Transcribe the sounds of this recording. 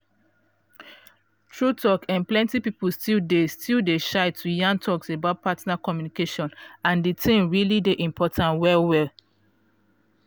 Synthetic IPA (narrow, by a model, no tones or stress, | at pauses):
tʰɹutʰɔkãnplɛ̃ntipipustildestildeʃaɪtʰːujãntʰɔksebaʊt̚patnakɔmjunikeʃɔ̃nãnditʰẽmɹilideʔĩmpʰɔtʰãnwɛlwɛl